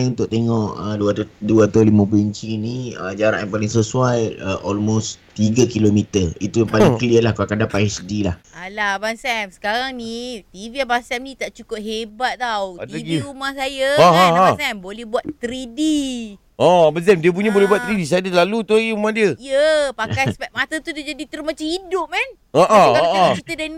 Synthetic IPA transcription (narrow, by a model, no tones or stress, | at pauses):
unt̪ʊʔ̚t̪eŋɔʔəduat̪duat̪alimə̃pəiɲt͡ʃiniəd͡ʒaɾa̰ʔapalɪŋsəsuajəʔɔlmost̪iɡəkilomit̪əit̪uapalɪŋkəliəlahkakadapaisədilahalabansɛmsə̥kaɾaŋnit̪iviabansɛmnĩt̪aʔt͡ʃukʊp̚ɦebat̪̚t̪awadaɡiumãsajəaɦaɦaasɛmbolɛhbuat̪t̪ɾidi | ɔbas̬ɛmdiəp̬uɲəbolɛɦbuwat̪̚ɾidis̬adəlalut̪uaɡiməmuandiəiəpakajspɛʔ̚mat̪at̪udəd͡ʒadit̪əɾumat͡ʃamidʊp̚mɛ̃n | aʔaɔaʔaɔt͡ʃit̪ədan